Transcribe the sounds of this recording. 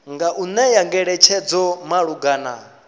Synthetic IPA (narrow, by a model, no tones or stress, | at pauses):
ŋɡaʔunɛjaŋɡɛɺɛt͡ʃʰɛd͡zɔmaɺuɡana̰